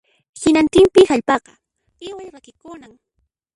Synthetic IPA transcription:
hɪnant̪ɪmpɪxaʎpɑqɑ | ɪwajɾakɪkʊnaŋ

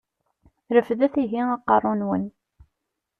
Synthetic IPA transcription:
ɾəfðæθiɦiɑqːɑrˤonwən

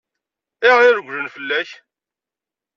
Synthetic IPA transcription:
ɪʁɪɾɡʷlənfəlːæç

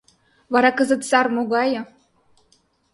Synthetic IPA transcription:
βɑɾɑkəzə̆t̪sɑrmoɣɑjɤ̆

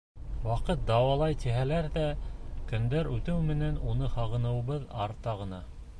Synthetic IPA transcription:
wɑqɤt̪̚d̪ɑwɑlˠɑjt̪iɦælæɾðækɵ̆nd̪æɾʉt̪ɘwmɘ̆nænunɤhɑʁɤ̆nɤ̆wβɤðɑɾt̪ɑʁɤ̆nɑ

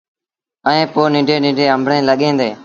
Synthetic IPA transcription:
əẽːpoːnɪ̃ːɖʱeːnĩːɖʱeːə̃mbʱɽẽːləɠẽːnd̪eː

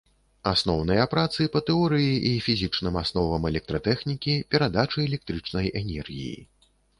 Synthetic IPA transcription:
asnɔwn̪ɐjɐpɾat̪sɨpɐt̪ɛɔɾɨjiʔifʲizʲit͡ʂnɨmasn̪ɔvɐmɛlʲɛk̚t̪ɾɐt̪ɛxnʲikʲipʲɛɾad̪at͡ʂɨɛlʲɛk̚t̪ɾɨt͡ʂnɐjɛnʲɛrɣʲḭjḭ

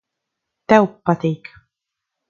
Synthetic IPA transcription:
t̪ɛwpːat̪iːk

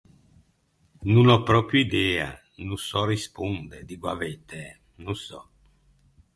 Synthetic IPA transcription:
nunɔpɾɔpɾjuid̪ɛːa̰ | nusɔrispund̪ɛd̪iɡwa̰vet̪e | nusɔ

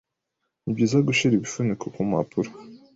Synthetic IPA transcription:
nibɟiːzaɡuʃiɾiβifunikʰokuma̰pʰuɾa

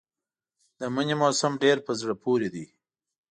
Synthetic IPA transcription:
d̪əməɲemosamɖeɾpəzɽəpʰoɾed̪i

